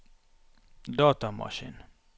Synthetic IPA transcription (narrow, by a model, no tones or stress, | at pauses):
d̪ɒːt̪ɑmɒ̰ʃḭn